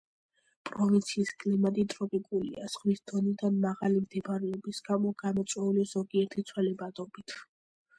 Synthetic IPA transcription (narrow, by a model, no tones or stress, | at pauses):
pʼɾɔvint̪sʰiːskʼlimat̪ʼit̪ʼɾɔpʼikʼulḭa̰sʁwisd̪̥ɔnid̪anmaʁalimd̪ʰɛbɾɛɔbisɡ̥amɔɡamɔt̪sʼwɛulizɔɡiɛɾt̪ʰit̪sʰwɛlɛbad̪ɔbit̪ʰ